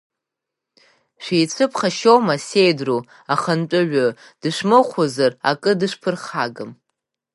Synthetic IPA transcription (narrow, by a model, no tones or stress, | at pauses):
ʃʷijt͡sʷʰɨpʰχaʃowmasejdru | aχanʈ͡ʂʷʼʊɥʷᶣʊ | d̥ɨʂmɨχʷozara̰kʼɨdɨʂpʰɨrχaɡɨm